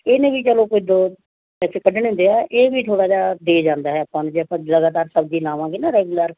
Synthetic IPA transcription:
eːnẽːbiːt͡ʃəlõːkoɪd̪oː | ɛsɪkəɖəɳɦʊ̃nd̪eːɛːʔeːbiːt̪ʰoːɽaːd͡ʒaːd̪eːd͡ʒãːnd̪aːɦɛːəpːãːnũːd͡ʒɛːpːləɡaːt̪aːɾsəbd͡ʒiːlãːʋãːɡinaːɾɛːɡʊləɾ

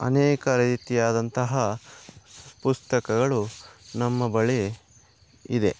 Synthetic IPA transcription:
ɐ̰nɛːkɐɾɐit̪ijaːd̪ɐnt̪ɐɦɐ | pust̪ɐkɐɡɐɭunɐmːɐbɐɭe | id̪e̞

